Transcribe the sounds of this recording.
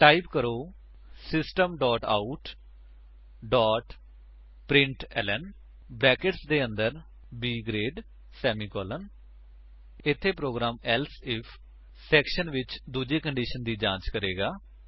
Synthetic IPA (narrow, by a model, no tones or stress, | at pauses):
ʈaːipkəɾoː | sɪsʈəmɖɔːʈa̰ːuʈ | ɖɔːʈ | pɾɪ̃ɳʈɛ̰ːlən | bɾɛːkɪʈsd̪eːənd̪əɾ | biːɡɾeːɖ | sɛːmiːkɔːlən | ɪt̪ʰːeːpɾoːɡɾaːmɛlsɪpʰ | sɛːkʃənʋɪt͡ʃd̪uːd͡ʒeːkəɳɖiːʃənd̪iːd͡ʒãːt͡ʃkəɾeːɡaː